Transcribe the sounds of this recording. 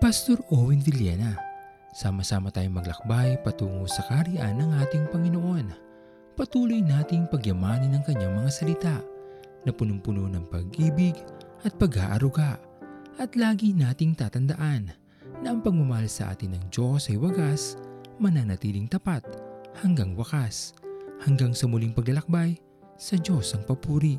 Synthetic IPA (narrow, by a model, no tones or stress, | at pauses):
pɐst̪o̞ɾʔowɪnd̪ɪljɛ̰nɐ | saːmɐsaːmɐt̪aːjoŋmɐɡlɐk̚bajpɐt̪uːŋosɐkaɾiʔa̰nɐŋʔaːt̪ɪŋpɐŋɪnoʔo̞n | pɐt̪uːlojnaːt̪ɪŋpɐɡjɐmaːnɐnɐŋkɐɲːaŋmɐŋasɐlɪt̪aʔ | nɐpʊnʊŋpʊnonɐŋpɐɡʔiːbɪɡʔɐt̪̚pɐɡa̰ːʔɐɾʊɡaʔ | ʔɐt̪laːɡinaːt̪ɪŋt̪aːt̪ɐnd̪ɐʔanː | ɐʔɐŋpɐɡ̚mʊmɐhalsɐ̰ʔa̰ːt̪ɪnɐŋd͡ʒo̞sɐjwɐɡasmɐnɐŋnɐt̪iːlɪŋt̪ɐpat̪̚hɐŋɡaŋwɐkashɐŋɡaŋsɐmʊliŋpɐɡlɐlɐk̚baj | sɐd͡ʒo̞sɐŋpɐpuːɾi